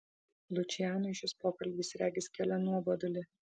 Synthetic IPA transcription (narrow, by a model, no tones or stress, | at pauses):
lʲˠʊt͡ʃʲɪjæːnʊɪʃʲɪspoːkɐlʲbʲɪsɾʲæːɡʲɪskʲɛlʲɛnuɔbɐd̪ɐlʲɪ